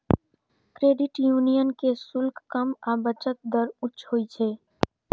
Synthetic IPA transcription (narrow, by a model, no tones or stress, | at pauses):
kɾeːɖɪʈjunijənkesʊlkkəmaːbət͡ʃək̪̚d̪əɾʊtːʃɦojt͡ʃʰe